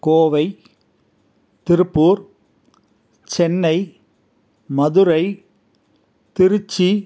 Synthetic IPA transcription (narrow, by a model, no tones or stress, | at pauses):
koːʋɐɪ | t̪ɪɾɯpːuːɾ | t͡ʃɛnːɐɪ | mɐðɯɾɐɪ | t̪ɪɾɯt͡ʃːi